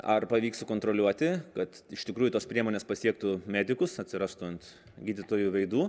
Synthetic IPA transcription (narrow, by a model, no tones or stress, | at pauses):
ɐrpɐʋʲiːksʊkoːnt̪ɾoːlʲuɔt̪ʲɪkɐt̪ɪʃt̪ʲɪkɾuːjut̪oːspʲɾʲiɛmoːnʲeːspɐsʲiɛk̚t̪ʊmʲæːd̪ʲɪkʊsɐt̪ʲsʲɪɾɑst̪ʊɐnt̪ | ɡʲiːd̪ʲɪt̪oːjuʋɐɪd̪uː